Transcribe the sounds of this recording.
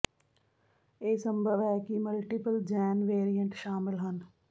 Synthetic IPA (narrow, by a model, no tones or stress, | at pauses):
eːsɐ̃mbʱəʋɛkimʊlʈipəld͡ʒɛːnʋeːɾijə̃ɳʈʃaːmɪlɦən